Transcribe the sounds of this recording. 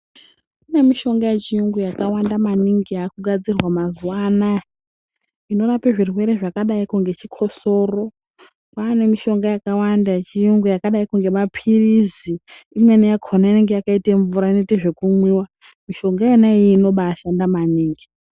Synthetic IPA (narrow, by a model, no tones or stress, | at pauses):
kune̞miʃo̞ŋɡajet͡ʃijuŋɡujakawandamaniŋɡijaːkuɡʱad͡zirwamazuwana | ino̞ɾapeʐirwe̞ɾe̞ʐakaɗaikuŋɡe̞t͡ʃikʰo̞so̞ːro̞ | paːne̞miʃo̞ŋɡajakawandat͡ʃijuŋɡujakaɗaikuŋɡe̞mapʰiriziːmwenejakʰonaine̞ŋɡe̞jakaiteɱvuɾaine̞teʐe̞kumwiwa | miʃo̞ŋɡajenaiːno̞ɓaːʃandamaniːŋɡi